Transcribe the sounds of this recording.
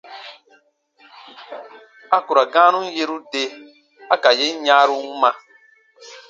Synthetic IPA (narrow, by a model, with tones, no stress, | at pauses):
a˦ku˨ɾa˨ɡã˦nũ˦n̩˦je˦ɾu˦de˦ | a˦ka˨je˦n̩˦ɲãː˦ɾu˦u˦mã˧